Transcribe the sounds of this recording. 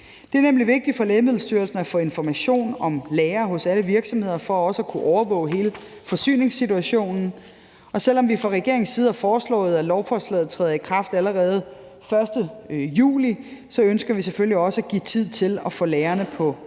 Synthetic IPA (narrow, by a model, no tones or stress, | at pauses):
d̥e̝æɐnemliʋe̝ɡ̥̚d̥i̥fɒ̽leːɪmeð̞̰ˠl̩ˠsd̥yːɐlsn̩æfɔe̝nfɒmæɕo̝̰ːnɒ̽mleːɐɦɔ̽sæləʋiɐɡ̥sɒ̽mhe̝ð̞̰ˠɐfɒ̽ɒ̽səækʰuʔɒʊɐʋɔ̰̽ːʊɦe̝ːlə | fɒ̽sy̰ːne̝ŋsit͡suæɕo̝̰ːnn̩ | ɒ̽sel̰ɒ̽mʋifʁɑ̈ʁɛɡ̥e̝ɐeŋnsiːð̩ˠæfɒːslɔ̰̽ːð̩ˠælɒʊfɒslɛ̰ð̩ˠt͡sʰʁɛ̰ːð̩ˠikʰʁɑ̈fd̥æləʁɛːð̞̩ˠ | fɶɐsd̥əjṵːlisɒ̽ønsɡ̥ɐʋisefølliɒ̽səæɡ̥ḭt͡sʰið̰ˠt͡sʰe̝lɒfɔ̽leːɐnəpʰɒ̽